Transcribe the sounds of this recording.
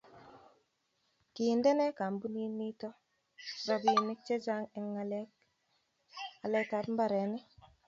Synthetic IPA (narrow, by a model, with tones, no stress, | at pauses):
ki˨ndɛ˦nɛ˦ka˨mbu˦ni˦ni˦tɔ˦ | ɾɔ˨bi˨nɪ˦k̚t͡ʃe˦d͡ʒa˦ŋɛ˨ŋːa˨lɛ˦k̚ | a˨lɛ˦ta˨˦pm˦ba˦ɾɛ˨nɛ˦